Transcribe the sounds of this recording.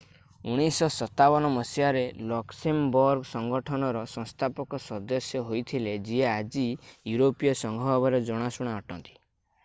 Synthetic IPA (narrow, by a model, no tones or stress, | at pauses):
uɽ̃isɔsɔt̪abɔnɔmɔsiaɾelɔksembɔɾɡsɔŋɡɔʈʰɔnɔɾɔsɔŋst̪ʰapɔkɔsɔd̪ɔsjɔɦojt̪ʰiled͡ʒiead͡ʒijuɾopijɔsɔŋɡʱɔbɔɾɔd͡ʒɔɽ̃asuɽ̃aɔʈɔnt̪i̥